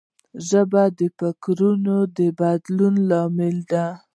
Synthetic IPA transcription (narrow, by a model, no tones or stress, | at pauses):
ʒəbad̪əpakɾunod̪əbad̪lunlɑmɪld̪a